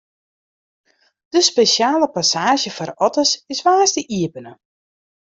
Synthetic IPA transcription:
d̥əspeʃjaːləpasaːʒjəfɔrɔtəsɪsʋaːstəʔiəpənə

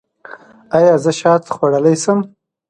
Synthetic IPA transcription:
ɑjɑːzəʃɑːt̪xwaɽəlajsəm

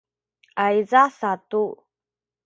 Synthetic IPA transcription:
ʔajzasat̪u

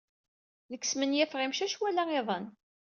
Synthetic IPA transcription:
ləkːsmənjæfʁimʃæʃwælæeðˤən

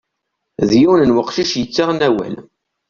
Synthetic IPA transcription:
ðjiwnənwəqːʃiʃjət͡sːaʁnæwæ̰l

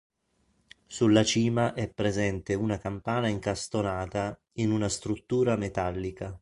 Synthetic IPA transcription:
sulːat͡ʃiːmaʔɛpːɾezɛnt̪eunakampaːnaiŋkast̪onaːt̪a | inunast̪ɾut̪ːuːɾamet̪alːika

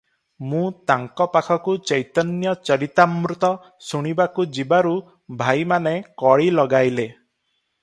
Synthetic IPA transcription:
mũt̪aŋkɔpakʰɔkut͡ʃəjt̪ɔnjɔt͡ʃɔɾit̪amɾut̪ɔ | suɽ̃ibakud͡ʒibaɾu | bʱajmanekɔɭilɔɡajle

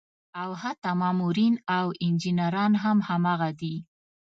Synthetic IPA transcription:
awhat̪amɑmuɾinawɪnd͡ʒinaɾɑnɦamhamɑɣad̪i

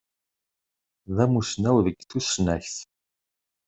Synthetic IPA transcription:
ðæmusnæwðəɡθusnæçθ

